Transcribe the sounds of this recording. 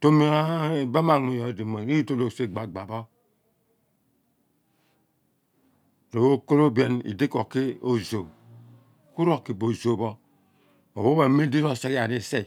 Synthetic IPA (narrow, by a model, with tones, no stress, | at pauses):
to˦mi˦a˦˨ba˦ma˨ŋe˨jo˨di˨mo˨ni˦i˦to˦lo˨se˦˨ɡ͡ba˨ɡ͡ba˨bo˦˨ | ɾo˨wo˦ko˦ɾo˦be˦nḭ˨di˦ko˨ke˦o˦zo˨ | ku˦ɾo˨ki˨bo˨zo˨bo˦ | o˨bo˦be˨˦me˦di˦ɾo˦˨se˦ka˨ne˨se˦˨